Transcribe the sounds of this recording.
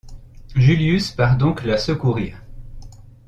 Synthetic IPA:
ʒyljyspaʁd̪ɔ̃klasəkuʁiːʁ

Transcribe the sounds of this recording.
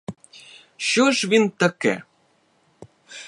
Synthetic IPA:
ɕuʃβint̪ə̆kḛ

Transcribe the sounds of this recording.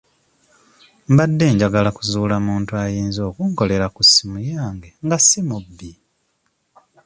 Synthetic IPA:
mbadːe̞ːɲɟaɡalakuzuːlamuːntuajiːnzo̞ːkuŋko̞le̞ɾakusimujaːŋɡe̞ŋɡasimubːi

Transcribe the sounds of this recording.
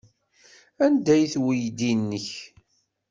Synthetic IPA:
ænd̪æjθwijd̪inːəç

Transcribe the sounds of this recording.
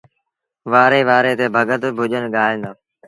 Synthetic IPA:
ʋaːɾeːʋaːɾeːt̪eːbʱəɠət̪bʱʊʄənɠaːɦẽːnd̪oː

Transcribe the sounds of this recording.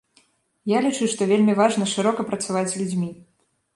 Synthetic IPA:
jalʲit͡ʂuʂt̪ɔvʲelʲmʲivaʐnɐʂɨɾɔkɐpɾɐt̪savat͡sʲlʲud͡zʲmʲi

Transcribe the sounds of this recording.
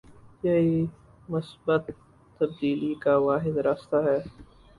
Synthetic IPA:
jɐi | mʊsbət̪ː | ɐb̚d̪iːlikaʋaːɦɪd̪ɾaːst̪aɦɛː

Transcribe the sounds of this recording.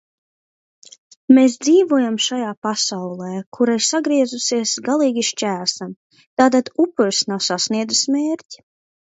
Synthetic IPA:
meːs̬d̪ziːvuɔjamʃajaːpasawlˠɛːkʰuɾaiɾsaɡɾiɛzusiɛsɡalˠiːɡʲiʃt͡ʃʲæːsam | t̪aːt̪ad̪upːuɾsnawsasniɛd̪zusmeːɾcʲi̥

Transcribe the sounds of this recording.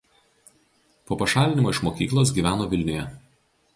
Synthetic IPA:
poːpɐʃɑːlʲɪnʲɪmoːɪʃmoːkʲiːklˠoːs̬ɡʲiːʋʲæːnoːʋʲɪlʲnʲʊjɛ

